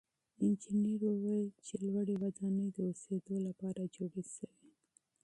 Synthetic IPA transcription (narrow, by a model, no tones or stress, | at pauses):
ɪnd͡ʒɪneɾowajt͡ʃelwaɽewad̪ɑnəjd̪əosed̪olapɑɾad͡ʒoɽeʃəwi